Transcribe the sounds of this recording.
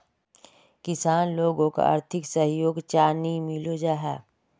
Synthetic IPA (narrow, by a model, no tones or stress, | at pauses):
kɪsaːnloːɡõka̰a̰ːɾt̪ʰɪksəɦjoːɡt͡ʃaːnimɪlod͡ʒaːɦɛ̰ː